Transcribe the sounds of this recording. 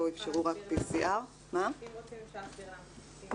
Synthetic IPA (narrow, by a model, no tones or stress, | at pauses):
oifʃeʁuʁakpisiʔaʁ | ma